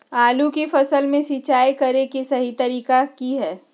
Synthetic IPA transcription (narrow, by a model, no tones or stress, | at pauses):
aːlukifɐsəlmẽsiːt͡ʃaːjkɐɾekisɐɦit̪ɐɾiːkakiɦɛː